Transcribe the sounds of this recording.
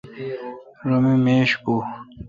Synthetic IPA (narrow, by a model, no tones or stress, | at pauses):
ɾomimeːɕku